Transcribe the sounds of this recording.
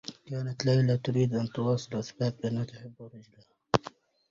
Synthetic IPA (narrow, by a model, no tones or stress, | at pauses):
kaːnat̪lajlat̪ʊɾiːd̪ʔant̪ʊwɑːsˤɨlʔasbaːbʔanːhat̪ʊħɪbːʊɾˤɪd͡ʒlaha